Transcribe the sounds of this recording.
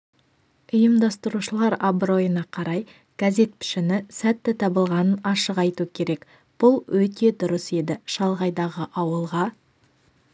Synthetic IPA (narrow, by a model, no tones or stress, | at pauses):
ʊjəmd̪ɑst̪əɾuʃəlˠɑɾabɾo̞jənɑqʰɑɾɑj | ɡ̥aze̞t̪̚pʰɪ̥ʃɪnɪsæt̪ːɪt̪ʰɑbəlˠʁɑnənɑʃəqɑjt̪ukʲʰe̞ɾe̞k | b̥ʊlˠwɵt̪e̞d̪ʊɾəse̞d̪ɪʃɑlˠʁɑjd̪ɑʁəʔɑwəlˠʁɑ